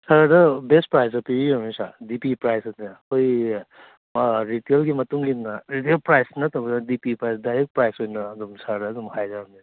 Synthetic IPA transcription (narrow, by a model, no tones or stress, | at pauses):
saɾadɐbespɾajs̬ɐpiɾiamisa̰dipipɾajsɐdnakoj | ɾitelɡimɐtuŋɡinaɾitelpɾajsnɐt̪absadipipɾajsdajɾek̚ʈ̚pɾajsojnɐːdumsaɾdɐːdumhajzaɐmi